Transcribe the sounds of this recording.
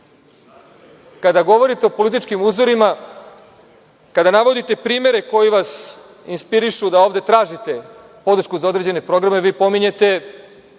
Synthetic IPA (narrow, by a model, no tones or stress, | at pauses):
kad̪aɡo̞ʋo̞ɾit̪e̞opo̞lit̪̬it͡ʃkimuːzoɾima | kad̪anaʋo̞d̪it̪e̞pɾiːme̞ɾe̞ko̞jiʋas | inspiɾiʃud̪ao̞ːʋd̪e̞t̪ɾaːʒit̪e̞ | po̞d̪ɾ̩ʃkuzao̞d̪ɾed͡ʑene̞pɾo̞ɡɾame̞ʋiːpo̞miɲe̞t̪e̞